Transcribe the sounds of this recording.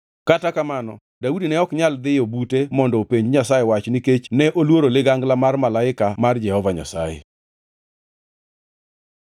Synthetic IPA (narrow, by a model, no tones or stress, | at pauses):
katakamanɔ | daudinɛɔkɲald̪ɪjobutemɔndɔpeɲd͡ʒɲasajewat͡ʃniket͡ʃnɛʔolwoɾolɪɡaŋɡlamarmalaɪkamard͡ʒɛhɔvaɲa̰sa̰jḛ